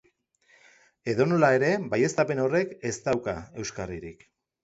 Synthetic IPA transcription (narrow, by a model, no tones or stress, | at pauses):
e̞ðo̞no̞lae̞ɾe̞baje̞st̪ape̞no̞re̞ke̞st̪awka̰e̞wskariɾik